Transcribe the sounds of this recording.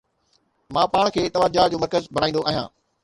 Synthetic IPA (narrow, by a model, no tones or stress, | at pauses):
mãːpaːɽ̃kʰeːt̪ɐʋaːd͡ʑaːd͡ʑoːmɐɾkəzbʱɐɽaːĩnd̪oaːɦijãː